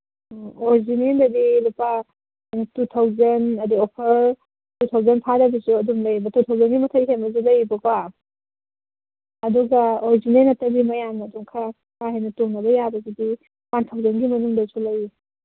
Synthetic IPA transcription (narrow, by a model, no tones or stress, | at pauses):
oɾizinendɐdilupa | hɐjnɐtutʰawzɐnɐdiopʰɐɾ | tutʰawzɐnpʰadɐbisuɐdumlɐjbɐtutʰawzɐnɡimɐtʰɐjɦenmɐz̬ulɐjbɐka | ɐduɡɐoɾizinenɐtːɐbimɐjamnɐduŋkʰa | kʰaɦɐjnɐtoŋnɐbɐjabɐɡidi | wantʰawzɐnɡimɐnuŋdɐsulɐj